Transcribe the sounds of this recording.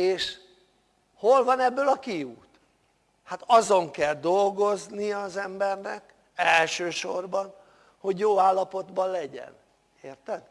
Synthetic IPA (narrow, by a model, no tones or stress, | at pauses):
eːʃ | ho̞lvɒnɛbːøːlɒkiuːt̪ | hat̪ɒzo̞ŋkɛld̪o̞lɡo̞zniɒzɛmbɛrnɛk | ɛlʃøːʃo̞rbɒn | ho̞ɟjoːaːlːɒpo̞d̪bɒllɛɟɛ̰n | eːrt̪ɛd̪